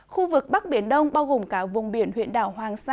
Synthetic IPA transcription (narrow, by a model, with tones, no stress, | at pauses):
xu˧vɨ˨˩k̚ɓa˦˥k̚ɓi˨˦ənɗə˧wŋ͡mɓaː˧wɣo˨˩mkaː˨˦˩vʊ˨˩ŋ͡mɓi˧˩ənhwḭ˧˨ənɗaː˧˩wɦwaː˨˩ŋsa˧